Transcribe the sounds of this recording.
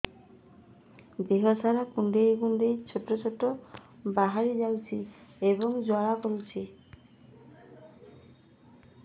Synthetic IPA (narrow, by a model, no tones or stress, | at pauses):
d̪eɦɔsaɾakuɳɖejɡuɳɖejt͡ʃʰoʈɾɔt͡ʃʰɔʈːɔbaɦaɾid͡ʒawt͡ʃʰieβɔŋd͡ʒɔɭakolt͡ʃʰi